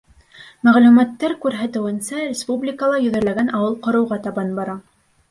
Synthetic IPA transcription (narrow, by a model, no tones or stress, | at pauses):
mæʁlʉmæt̪ːæɾkʉɾɦæt̪ɘ̆wɘ̆nsæɾʲɪspublʲɪkəlˠɑjɵ̆ðæ̆ɾlæɡænʔɑwɤlˠqɤ̆ɾɤ̆wʁɑt̪ɑbɑnbɑɾɑ